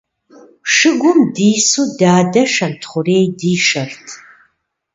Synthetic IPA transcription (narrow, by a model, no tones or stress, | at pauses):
ʂɨɡʷʊmdiːsuːdaːdɐʂɐntʰχʷʊreːjdiːʂɐrtʰ